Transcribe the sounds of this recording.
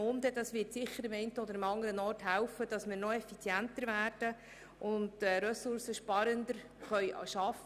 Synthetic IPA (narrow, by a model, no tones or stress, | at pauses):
ʊnd̪ədɑsʋɪtsɪχːəɾɪmɛɪntəɔd̪əɾɪmɑŋəɾənɔːrthæwfəd̥ɑsmɪːɾnɔɛfit͡sjæntəɾvæːɾd̥ə | ʔʊndɾɛsʊɾsəʃpɑɾənd̪əɾ | χœʏʃɑf